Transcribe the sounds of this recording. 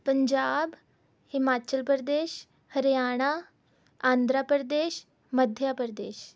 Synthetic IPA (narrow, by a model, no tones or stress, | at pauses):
pəɲd͡ʑab | himat͡ɕəlpəɾd̪eɕ | həɾjaɽ̃a | ãnd̪ʱɾapəɾd̪eɕ | məd̪ʱjapəɾd̪eɕ